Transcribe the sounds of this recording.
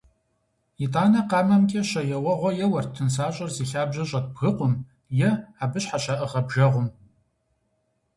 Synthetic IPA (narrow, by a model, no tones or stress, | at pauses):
itʼaːnɐqɑːmɐmkʲʼɐɕɐjɛwɐʁʷɔjɛwɐrtʰɨnsaːɕʼɐrziːɬaːbʑɐɕʼɐt̚bɣɨqʷʊm | jɛaːbɨɕħaɕɐʔɨʁɐbʒɐʁʷʊm